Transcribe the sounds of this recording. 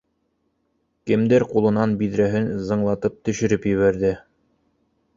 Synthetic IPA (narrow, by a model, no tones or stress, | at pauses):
kɘ̆md̪æɾqulˠɤ̆nɑnbiðɾæɦɘnzɤ̆ɴlˠɑt̪ɤp̚t̪ɵ̆ʃɘ̆ɾɘpjɘ̆βæɾðɘ